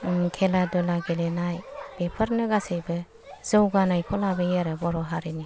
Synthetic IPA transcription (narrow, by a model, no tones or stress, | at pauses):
kʰeladɔlaɡelenajb̥epʰəɾnɯɡasejbɯ | zɯwɡanajpʰɔlabɯjeɾɯbɔɾɔɦaɾini